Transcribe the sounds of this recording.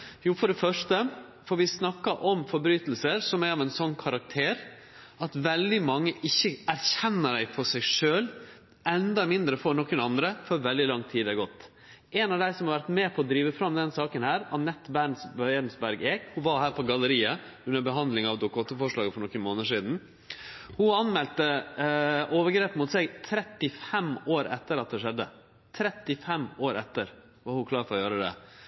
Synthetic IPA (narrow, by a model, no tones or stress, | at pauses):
juːfɔɖɛfœʂʈəfɔɾʋɪsnɑkːɑʔɔmfɔɾbɾyːt̪lsəɾsɔmæɾɑʋɛnsɔnːkʰɑɾɑk̚t̪ʰeːɾ | ɑt̪ʋɛld̪ɪmɑŋːəʔɪçːəæɾçɛnːəɖæɪfɔsæɪʂøːl | ɛnd̪ɑmɪnd̪ɾəfɔɾɳɔkːənɑnd̪ɾəfɔɾʋɛld̪ɪlɑŋt̪ʰiːd̪ɛɡɔt̪ː | ɛnɑʋd̪æɪsɔmhɑɾʋæɾʈ̪meːpʰɔːd̪ɾiːʋəfɾɑmd̪ɛnsɑːkənhæːɾɑnɛt̪ːbæɳsɛɾnsbæɾɡeːkhʊʋɑɾhæːɾpʰɔɡɑləɾiːə | ʉnːəbəɦɑnd̪lɪŋɑʋd̪ʊkʊɔt̪ːəfɔʂɭɑːɡəfɔɾɳɔkːənmoːnəʂiːd̪n̩ | hʊɑnmɛlt̪ə | ʔoːʋəɾɡɾeːpmʊt̪seːɡt̪ʰɾɛt̪ːɪfɛmoːɾɛ̰t̪ːəɾɑt̪̚d̪ɛʂɛd̪ːə | t̪ʰɾɛt̪ːɪfɛmoːɾɛt̪ːəɾ | ʋɑɾhʊkʰlɑːɾfɔɾɔjøːɾəd̪ɛ̰